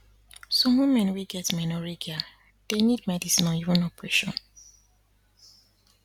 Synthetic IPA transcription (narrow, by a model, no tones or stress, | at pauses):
sɔwũmɛ̃nwiɡɛtmɛnɔɹiɡia | d̥enidmɛdisĩnɔ̃ivə̃nɔpɹɛʃɔ̰̃n